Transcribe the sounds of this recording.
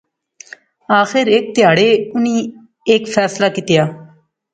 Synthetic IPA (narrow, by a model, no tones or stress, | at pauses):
aːxɪɾek̚t̪ɪjaːɽeːʊnĩː | ekfʰɛːslaːkit̪jaː